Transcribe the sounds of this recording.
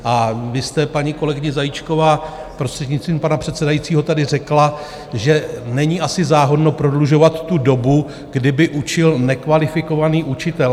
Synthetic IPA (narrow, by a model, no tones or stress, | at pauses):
ʔavɪst̪ɛpaɲiko̞lɛɡɪɲɪzajit͡ʃko̞vaː | pɾost̪r̥ɛdɲɪt͡st̪viːmpanapr̥ɛt̪sɛdajit͡siːɦo̞t̪adɪrɛkla | ʒɛnɛɲiʔasɪzaːɦo̞dno̞pɾo̞dluʒo̞vat̪ːudo̞bu | ɡdɪbɪʔut͡ʃɪlnɛkvalɪfɪko̞vaniːʔut͡ʃɪt̪ɛl